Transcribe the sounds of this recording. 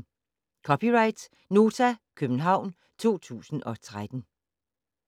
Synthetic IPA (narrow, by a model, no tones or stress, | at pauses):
kʰɒ̽pʰiʁɑ̈ɪd̥ | no̝ːt͡sʰækʰøb̥n̩ɦɑ̈ʊ̰n | t͡sʰo̝̰ːt͡sʰṵːsn̩ɒ̽t͡sʰʁad̥n̩